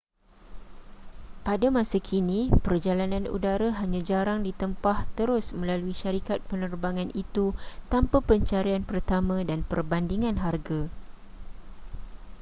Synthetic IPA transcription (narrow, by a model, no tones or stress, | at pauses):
padamãsakʰinĩpərd͡ʒalanãnṵdaɾaɦaɲãd͡ʒaɾaŋdit̪əmpaht̪əɾʊsmə̃laluiʃaɾikat̪̚pənərbaŋãnit̪ut̪ampapəɲt͡ʃaɾianpərt̪amãdanpərbandiŋãnɦarɡa